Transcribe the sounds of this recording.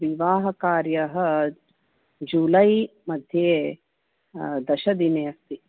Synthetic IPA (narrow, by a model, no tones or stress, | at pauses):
ʋiʋaːɦɐkaːɾjɐɦɐ̆ | d͡ʒuːlɐjmɐd̪ʱjeː | d̪ɐʃɐd̪inɐjɐst̪i